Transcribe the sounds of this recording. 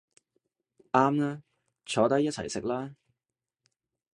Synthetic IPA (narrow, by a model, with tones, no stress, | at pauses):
ʔaː˥mnaː˥ | t͡ʃʰɔː˨˧˥t̪ɐ˥jɐ˥t͡sʰɐ̰˨˩jsɪ˨k̚laː˥